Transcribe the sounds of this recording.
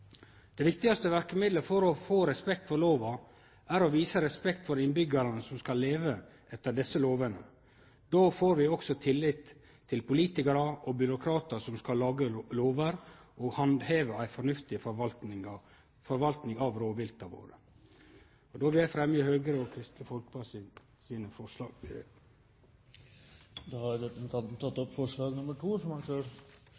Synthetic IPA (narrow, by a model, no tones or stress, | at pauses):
d̪̥ɛʋɪkt̪ɪɡɑst̪əʋæɾkəmɪd̪ləfɔɾɔfoːɾɛspɛkt̪fɔɾloːʋɑ | æɾɔʋiːsəɾɛspɛkt̪fɔɾɪnbʏɡəɾɑnəsɔmskɑlːeːʋə | ʔɛt̪ːəɖɛsːəloːʋənə̰ | d̪oːfoːɾʋɪɔksɔt̪ʰɪlːɪt̪ʰː | ɪlpʊliːt̪ɪkɑɾɑʔɔbʏɾʊkʰɾɑːt̪əsɔmskɑlɑːɡəloːʋəɾɔhɑnd̪heːʋəæɪfɔɳʉft̪ɪ | fɔɾʋɑlt̪nɪŋɑʋɾoːʋɪlt̪ɑʋo̰ːɾə̰ | ɔd̪oːʋɪæfɾɛmjəhøːɡəɾəɔkʰɾɪst̪ləfɔlkbɑs | siːnəfɔʂɑ | d̪ohɑd̪ɛt̪ənt̪ʰɑnt̪ʰɑt̪ːɔpfɔʂɭɑːɡnʊmːəʈʰuːsɔmɑnsøːɾ